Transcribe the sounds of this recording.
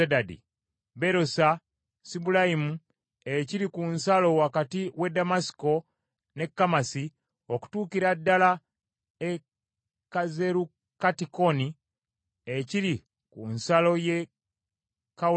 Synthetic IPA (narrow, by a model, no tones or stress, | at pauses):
edadḭ | be̞ɾosa | sibulaimu | eciɾikunsalo̞wakatiwe̞damasi̥ko̞ | ne̞kːamasi | oku̥tuːkiɾadːala | e | kaze̞ɾu | katiko̞ni | eciɾi | kunsalo̞je̞ | ka